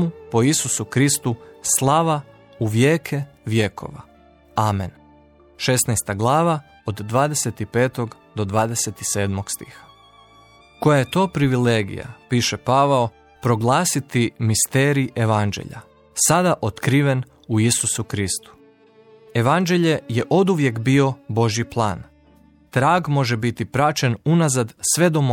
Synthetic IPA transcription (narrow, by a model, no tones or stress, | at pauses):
mupo̞isusukɾist̪uslˠaʋa | uʋjeːkʰeʋje̞kʰo̞̰ʋa̰ | aːmen | ʃe̞snajst̪aɡlˠaːʋa | od̪ːʋaːd̪eset̪ipe̞ːt̪o̞ɡ | d̪o̞d̪ʋaːd̪eset̪ise̞ːd̪mo̞ɡst̪ḭːxḁ | kojaje̞t̪o̞ːpɾiʋileːɡḭja̰piːʃe̞paʋao | pɾo̞ɡlˠaːsit̪imist̪eːɾiiʔe̞ʋand͡ʒḛʎa̰ | sad̪aʔo̞t̪kɾiːʋe̞n | uisusukɾist̪u̥ | e̞ʋand͡ʒe̞ʎe̞je̞ʔo̞d̪uʋje̞kbio̞bo̞ʒjiplˠa̰ːn | t̪ɾaːɡmo̞ʒebit̪ipɾat͡ʃe̞nunazad̪sʋe̞d̪o̞mo